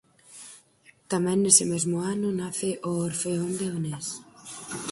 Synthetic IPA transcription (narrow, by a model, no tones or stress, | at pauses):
t̪amɛ̃ŋːesɪmezmʊanʊnaθɪʔoːɾfeond̪eonɛs